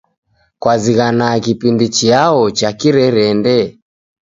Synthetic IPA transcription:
kwaziɣanakipindit͡ʃiaɔt͡ʃakiɾɛɾɛndɛ

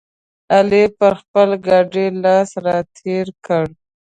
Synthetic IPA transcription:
alepəɾxpəlɡɑɖelɑsɾɑt̪ʰeɾkəɽ

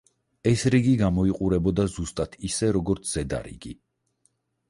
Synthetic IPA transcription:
ɛsɾiɡiɡamɔiqʼuɾɛbɔd̪azust̪ʼat̪ʰisɛɾɔɡɔɾt̪sʰz̥ɛd̪a̰ɾḭɡi

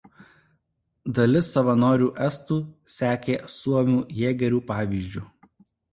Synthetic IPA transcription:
d̪ɐlʲɪsːɐʋɐnoːɾʲuːʔɛst̪uːsʲæːkʲeːsuɔmʲuːjeːɡʲɛɾʲuːpɑːʋʲiːʒʲd͡ʒʲʊ

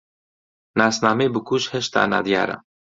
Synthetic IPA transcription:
naːsnaːmeːbɨkuʃheʃt̪a̰ːna̰ːd̪ja̰ːɾa̰

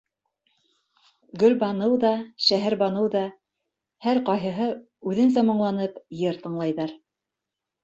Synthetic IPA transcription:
ɡɵlbɑnɤwðɑʃæɦɘɾbɑnɤwðɑ | hæɾqɑjɦɤ̆ɦɤ | ʉðɘ̆ns̬æmŏɴlˠɑnɤpjɤɾt̪ɤ̆ɴlˠɑjðɑɾ

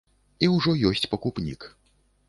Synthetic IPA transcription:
iwʐɔjɔsʲt͡sʲpɐkupnʲḭk

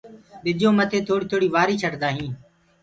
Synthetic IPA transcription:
ɗ̪ɪd͡ʒõːmət̪ʰeːt̪ʰoːɽiːt̪ʰoːɽiːʋaːɾiːt͡ʃʰəʈd̪aːɦĩː

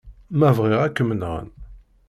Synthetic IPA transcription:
mævʁiʁækːəmənʁə̰n

